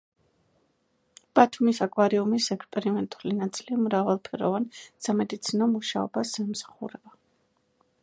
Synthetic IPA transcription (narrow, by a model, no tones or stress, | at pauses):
b̥at̪ʰumisakʼwaɾiumisɛkspʼɛɾimɛnt̪ʼulinat̪sʼilimɾavalˠpʰɛɾɔ̰vansamɛd̪it̪sʰinɔmuʃa̰ɔ̰basːamsḁχṵɾɛba